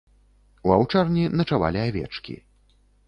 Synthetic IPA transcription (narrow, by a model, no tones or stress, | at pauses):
uawt͡ʂarnʲinɐt͡ʂava̰lʲiavʲɛ̰t͡ʂkʲḭ